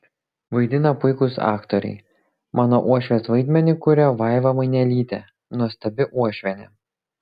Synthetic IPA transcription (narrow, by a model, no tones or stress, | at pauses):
ʋɐɪd̪ʲɪnɐpʊɪkʊsɑ̰ːkt̪oɾʲɛ̰ɪ | mʔɑːnoʔuɔʃʲʋʲeːsʋɐɪd̪ʲmʲɛnʲɪkʊɾʲɛʋɐɪʋɐmɐɪnʲɛlʲiːt̪ʲɛ̰ | nuɔsʲt̪ʲɐbʲɪʔuɔʃʲʋʲɛnʲɛ̰